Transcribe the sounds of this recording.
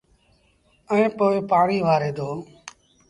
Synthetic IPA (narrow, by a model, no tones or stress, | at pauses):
əĩːpoːɪpaːɳiːʋaːɾeːd̪oː